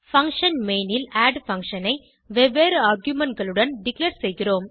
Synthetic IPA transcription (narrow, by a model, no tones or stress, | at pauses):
fɐŋkʂɐnmeːnɪlaːɖfɐŋkʂɐnɐɪ | ʋɛʋeːɾaːɾɡjʊmɐnɡɐɭɯɽɐnɖɪkleːɾsɛjɣɪroːm